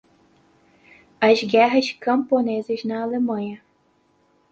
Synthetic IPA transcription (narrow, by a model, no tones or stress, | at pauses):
ɐzɡɛɦɐʃkɐ̃mponezɐznɐːlemɐ̃ɲɐ